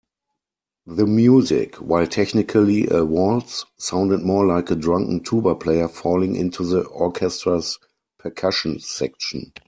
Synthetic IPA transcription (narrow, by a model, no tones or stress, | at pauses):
ðəmjuːzɪ̰kʰwaɪltʰɛçnɪkʰəliʔəwɔltssãʊ̃ndət̚mɔːlaɪkədɹãŋkŋ̩tʰuːbə˞pʰleɪə˞fɔlɪ̃ŋʔɪ̰̃ntʰuðəʔɔkʰɛstɹəs | pʰəkʰaʃə̃nsɛkʃɔ̃n̩